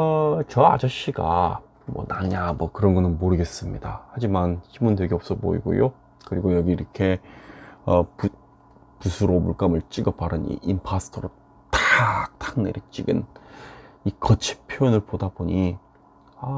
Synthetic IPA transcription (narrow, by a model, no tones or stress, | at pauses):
ʌt͡ɕʌa̰d͡ʑʌɕ͈iɡa̰ | mwʌ̰naɲamwʌkɯɾʌnɡʌnɯnmoɾɯɡe̞s͈ɯmɲidahad͡ʑimanɕʰimundwe̞ɡiʌp̚s͈ʌbo̰ḭɡo̰jo | kɯɾiɡojʌɡiːɾʌkʰe̞ | ʌpu | pusʰuɾomuɭk͈amɯɭt͡ɕ͈iɡʌpaɾɯnḭʔimpʰasʰɯ̥tʰʌɾo | tak̚tʰaŋneɾit͡ɕ͈iɡɯ̰n | ikʌt͡ɕʰi̥pʰjoʌnɯɭpodaboɲi | a